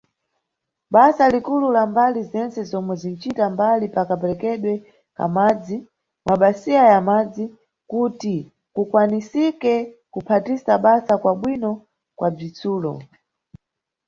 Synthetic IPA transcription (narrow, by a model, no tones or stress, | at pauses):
ɓasalikululambalizɛnt͡sɛzɔmwɛzin̩t͡ʃitambalipakapɛɾɛkɛɗwɛ | ka̰mad͡zi | mwʔaɓasiajamad͡zi | kuti | kukwanisikɛkupʰatisaɓasakwaɓwinɔ | kwab͡ʐit͡suːlɔ̰